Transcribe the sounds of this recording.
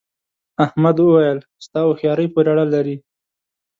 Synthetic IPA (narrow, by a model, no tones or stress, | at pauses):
ahmad̪wəwajəl | st̪ɑwoxjɑɾəjpoɾaɽalːaɾi